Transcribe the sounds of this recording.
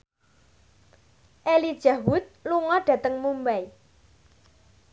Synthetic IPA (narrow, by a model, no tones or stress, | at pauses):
ʔelid̥ʒ̥a̤wʊt̪̚luŋɔɖ̥ä̤t̪əŋmumbaj